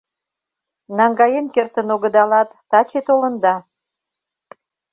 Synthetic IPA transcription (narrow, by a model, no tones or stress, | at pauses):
nɑŋɡɑjenkert̪ənoɣəd̪ɑlɑt̪ːɑt͡ɕet̪olə̆nd̪ɑ